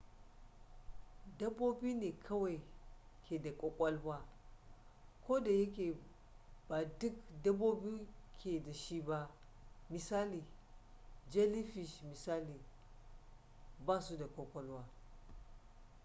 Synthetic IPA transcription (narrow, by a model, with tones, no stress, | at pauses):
da˦bo˦bi˦ne˨kʰa˦wa˨i˨kʰe˨da˨kʼo˦kʷʼa˦lwa˦ | ko˦da˨je˦ke˨ | b̥a˨du˦kda˦bo˦bi˦kʰe˨da˨ʃi˦ba˦ | mi˨sa˦li˨ | d͡ʒe˦li˦fi˨ʃmi˨sa˦li˨ | ba˦su˦da˨kʷʼo˦kʷʼo˦lwa˦